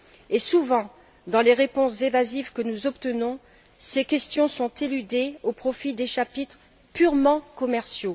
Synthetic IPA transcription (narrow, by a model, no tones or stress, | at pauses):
esuvɑ̃ | d̪ɑ̃leʁepɔ̃szẽvazivkənuzɔpt̪ənɔ̃ | sekʲɛst̪jɔ̃sɔ̃t̪elyd̪eopχɔfid̪eʃapit̪χ | pyʁmɑ̃kɔmɛʁsjo